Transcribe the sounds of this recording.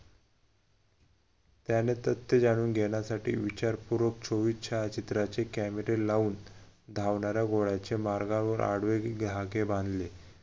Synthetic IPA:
t̪janet̪ət̪ːed͡zaɽ̃uːnɡʱeɳjasaʈḭːʋit͡ɕaɾpuɾʋək̚t͡ɕʰoʋitt͡ɕʰaət͡ɕit̪ɾat͡sekæmeɾelauːnd̪ʱaʋɳaɾjaɡʱoɭat͡ɕemaɾɡãʋəɾa̰ɽʋeɡlaɡeband̪le

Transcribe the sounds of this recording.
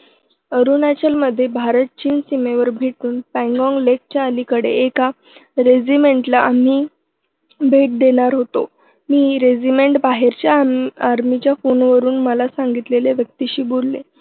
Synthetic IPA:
əɾunat͡ɕəlməd̪ʱːjebʱaɾət̪̚t͡ɕiːnsimeʋəɾbʱeʈuːnpæ̃ŋɡɔ̃ŋɡlek̚t͡ɕjaəlikəɽḛeka | ɾed͡ʑimeɳʈlaʔam̤iː | bʱeʈ̚d̪eɽ̃aɾɦot̪o | miːɾed͡ʑimeɳʈbaɦeɾt͡ɕjaaɾmit͡ɕjafonʋəɾuːnməlasaŋɡit̪leleʋjək̚t̪iɕiːbolːḛ

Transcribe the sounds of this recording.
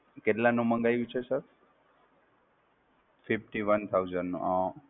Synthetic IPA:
keʈlãnũməŋɡajũt͡ʃʰesəp | fifʈiʋənt̪ʰauzənːṵ̃ã

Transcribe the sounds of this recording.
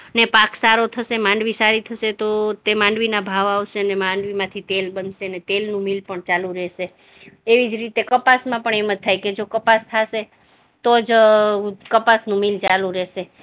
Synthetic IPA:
ənepaksaɾot̪ʰəʃemãɳɖʋisaɾit̪ʰəʃet̪ot̪emãɳɖʋinabʱaʋaʋʃeənemãɳɖʋimãt̪ʰit̪elbənʃeənet̪elnũmilpəɳt͡ʃalũɾeʃeː | ʋid͡ʒɾit̪ekəpasmãpəɳeməd͡ʒ̚t̪ʰajked͡ʒokəpast̪ʰaʃe | t̪od͡ʒ | kəpasnũmilt͡ʃalũɾeʃe

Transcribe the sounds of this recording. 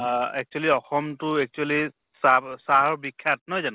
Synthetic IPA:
ɛk̚t͡ʃualiɔxɔmtʊɛk̚t͡ʃuali | sasaɦɔbikʰːat̚nɔjzan

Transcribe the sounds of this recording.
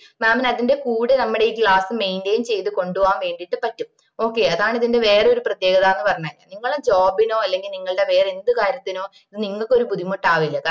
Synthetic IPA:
maːmɐnɐðinde̞kuːɽɨnɐmːɐɽeiːkɭaːsɨme̞jndeːjumt͡ɕe̞jt̪ːuko̞ɳɖuʋːaːmʋe̞ːɳɖiʈːɨpɐtːum | o̞ːkːe̞ɐðaːɳiðinde̞ʋe̞ːreo̞ɾuprɐt̪jeːɡɐðaːenːɨpɐrɐɲːaːia̰niŋːɐɭumd͡ʑoːbino̞ːɐlːe̞ŋɡilniŋːɐɭɨɽe̞ʋe̞ːrend̪ɨkaːɾjɐt̪ːino̞ː | iðɨniŋːɐɭkːo̞ɾupuðimoʈːaːʋilːɐka

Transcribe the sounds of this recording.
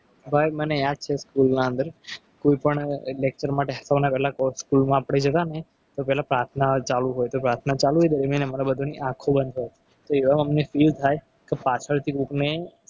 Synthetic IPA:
bʱajmənead̪̚t͡ʃʰeskulnaə̃nd̪əɾ | koipəɳlek̚t͡ʃəɾmaʈeɦəsanapɛɦlakskulmãːpɽed͡ʒʱət̪ane | t̪opɛɦlapɾaɾt̪ʰnat͡ʃalũɦojt̪opɾaɾt̪ʰnat͡ʃalued̪əɾimjanəmaɾabəd̪ʱuniʔãkʰobənd̪ʱɦoje | t̪oeʋaəmnefilt̪ʰaj | kepat͡ʃʰəɭt̪ʰikukne

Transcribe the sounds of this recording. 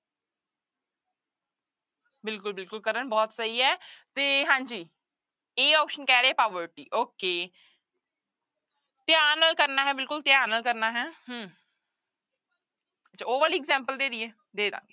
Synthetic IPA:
bɪlkʊlbɪlkʊlkəɾənbɔːt̪səiːɦɛːt̪eːɦãːɲd͡ʒiː | eːɔːpʃənkɛːɾeːɛːpaːʋəɾʈiːʔoːkeː | t̪ɪaːnəlkəɾnaːɦɛːbɪlkʊlt̪ɪjaːnəlkəɾnaːɦɛːɦə̃ | tt͡ʃʰaːoːʋəɾɪɡzɛ̃ːmpəld̪eːɾiɛː | d̪eːd̪ã̰ːŋɡe

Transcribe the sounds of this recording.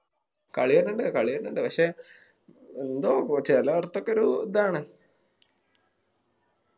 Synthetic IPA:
kɐ̰ɭiʋɐnːuɳɖɨkɐɭiʋɐnːuɳɖɨpɐkʂe | end̪oːkpɐkɕeɐlːoɐɽɐt̪ːokːeoɾud̪aːɳɨ

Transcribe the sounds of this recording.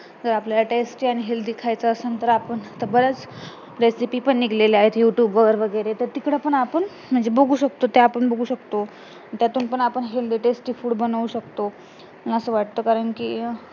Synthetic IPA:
d͡zəɾapljalaʈesʈiaɽ̃iɦeld̪ikʰajt͡saəsənt̪əɾapəɳt̪əbəɽat͡s | ɾesipipəɳːiɡleleaɦet̪juʈjuːbʋəɡəɾʋəɡəjɾet̪əɾt̪ikɽepəɳapəɳ | m̤əɳd͡zeboɡʱuːɕək̚t̪ot̪eapəɳbəɡʱuːɕəkt̪o | t̪jat̪uːnpəɳapəɳɦeld̪iʈesʈiːfuːɽbənʋuɕəkt̪o | mlaəsəʋaʈ̚t̪əːkaɾəɳkiː

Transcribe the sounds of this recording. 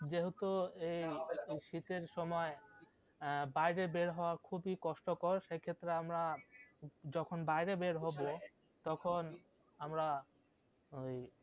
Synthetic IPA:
d͡ʑeɦot̪oejʃit̪eɾʃɔmɔe | bajɾebeɾɦɔoaɾkʰubikɔʃʈokɔɾʃekʰet̪ːɾeamɾa | d͡ʑɔkʰonbajɾebeɾɦɔbo | t̪ɔkʰon | amɾa | oj

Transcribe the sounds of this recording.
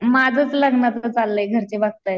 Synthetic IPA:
mad͡zʱət͡sləɡnat̪ət͡salːəjɡʱəɾt͡seʋaɡ̚t̪əj

